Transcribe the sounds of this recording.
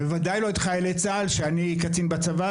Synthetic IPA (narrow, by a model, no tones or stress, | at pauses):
vevadajloet̪χajelet͡salʃeanikat͡sinbat͡sava